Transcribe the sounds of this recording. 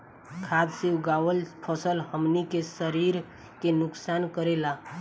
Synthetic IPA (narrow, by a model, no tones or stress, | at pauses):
kʰad̪siwɡawəlpʰəsəlɦəmnikesəɾiɾ | kenʊksankəɾela